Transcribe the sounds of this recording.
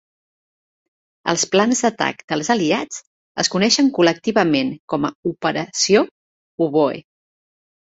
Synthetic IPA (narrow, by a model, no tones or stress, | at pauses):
ə̰lˠsplanzðət̪a̰kd̪̥əlˠzəliad͡z | əskunɛʃəŋkulək̚t̪iβəmeŋkɔməupəɾəsio | uβoḛ